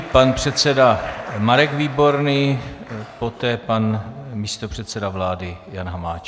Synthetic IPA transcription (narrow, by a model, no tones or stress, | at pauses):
panpr̝̥ɛt̪sɛdamaɾɛɡviːbo̞ɾniː | po̞t̪ɛːpanmiːst̪o̞pr̝̥ɛt̪sɛdavlaːdɪjanɦamaːt͡ʃ